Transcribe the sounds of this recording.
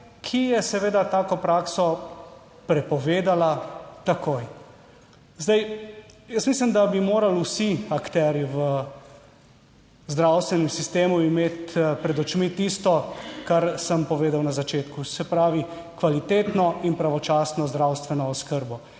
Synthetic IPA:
kʰijɛsɛʋeːd̪at̪aːkɔpɾaksɔ | pɾɛpɔʋeːd̪alat̪akoj | zd̪ajjəsmis̬limd̪abimoːɾalusiakt̪ɛɾjiʋə | zd̪ɾawst̪ʋɛnɛmsist̪eːmuimeːt̪pɾɛd̪ɔt͡ʃmit̪ist̪ɔkaɾsəmpɔʋeːd̪awnazat͡ʃeːt̪kusɛpɾaːʋi | kʋalit̪eːt̪nɔinpɾaʋɔt͡ʃaːsnɔzd̪ɾawst̪ʋɛnɔːskəɾbɔ

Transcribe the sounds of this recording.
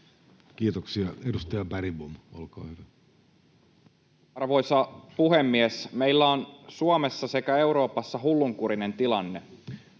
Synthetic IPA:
kiːt̪oksiɑedust̪ɑjɑbæɾibumolko̰ːhyʋæ | ɑrʋo̞jsɑpuɦe̞mːiesme̞ilːæonsuomesːɑse̞kæe̞uɾo̞ːpɑsːɑɦulːuŋkuɾine̞nt̪ilɑnːe̞

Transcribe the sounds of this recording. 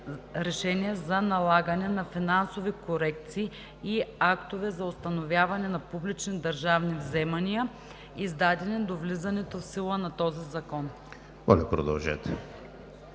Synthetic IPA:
ɾɛʃɛniəzɐnɐlˠaɡənɛnɐfinansovikoɾɛk̚t̪siː | akt̪ovɛzɐost̪ɐnovʲjavɐnɛnɐpublit͡ʃnid̪ɐɾʒavnivzɛmɐniə | izd̪ad̪ɛnɛd̪ovlizɐnɛt̪ofsilˠənɐt̪ɔzizɐkɔn | mɔ̰lʲɛpɾo̰d̪ɐ̰lˠʒɛ̰t̪

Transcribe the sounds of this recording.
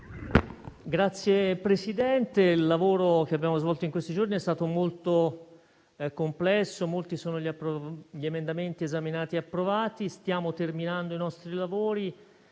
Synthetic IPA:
ɡɾat̪sːjepɾesid̪ɛnt̪eilːavoːɾok̟eabːjaːmozvɔlt̪oiŋkwest̪id͡ʒorniɛst̪aːt̪omolt̪o | komplɛsːomolt̪isoːnoʎiaɾʎiemend̪ament̪iezaminaːt̪iapːɾovaːt̪ist̪jaːmot̪erminand̪oinɔst̪ɾilavoːɾi

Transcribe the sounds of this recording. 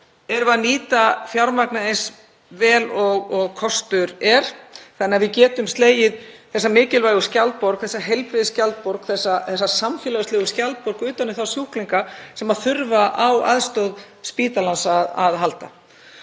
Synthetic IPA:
ɛɾvaðniːt̪afjawɾmaknaejns | vɛːlɔɣɔɣkʰɔst̪ʏɾɛɾ̥θanɪaɾvɪðcɛːt̪ʏmst̪leːjɪðθɛsːamɪːcɪlvajɣʏscalt̪̚pɔɾ̥kθɛsːaɦejlpɾiðɪscalt̪̚pɔɾkθɛsːaθɛsːasamfjɪlœɣʏst̪eːɣʏscalt̪̚pɔɾkʏːt̪anɪθawsjuhkliŋkasɛmaðθʏɾvaʔawa̰ðst̪owð | spiːt̪alansaðaðɦalt̪a̰

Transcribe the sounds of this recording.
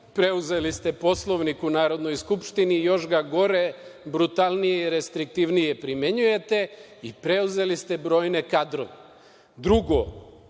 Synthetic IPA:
pɾe̞uze̞list̪e̞po̞slˠo̞ʋnikunaːɾo̞d̪no̞jskupʃt̪inijo̞ʃɡaɡo̞ɾe̞bɾut̪alˠnijeiɾest̪ɾik̚t̪iʋnije̞pɾime̞ɲuje̞t̪e̞ | ipɾe̞uze̞list̪e̞bɾo̞ːjne̞kad̪ɾo̰ne | d̪ɾuɡo

